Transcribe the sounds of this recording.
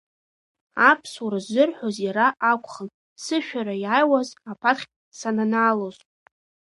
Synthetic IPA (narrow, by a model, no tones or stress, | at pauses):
apʰsuɾazɨrħʷᶣozjaɾaʔakʷʰʼχən | sɨʃᶣaɾajajwazapʰatχʲ | sananaːlozʼ